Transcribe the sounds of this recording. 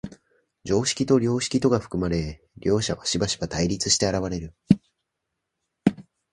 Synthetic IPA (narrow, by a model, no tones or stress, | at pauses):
d͡ʑo̞ːɕi̥kʲit̪o̞ɾʲo̞ːɕi̥kʲit̪o̞ɡaɸɯ̟̥kɯ̟maɾe̞ | ɾʲo̞ːɕa̰βaɕibaɕi̥b̥at̪aiɾʲit͡sɨɕi̥t̪e̞aɾaβ̞aɾe̞ɾɯ̟